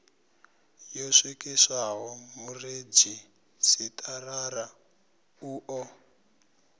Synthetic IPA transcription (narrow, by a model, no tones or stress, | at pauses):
joʂikisaɦɔmured͡ʒi | sitʼʰarara | uːʔɔ